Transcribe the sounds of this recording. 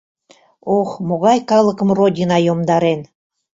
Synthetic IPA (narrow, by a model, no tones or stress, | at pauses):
oxmoɣɑjkɑləkəmrodʲinɑjomd̪ɑɾen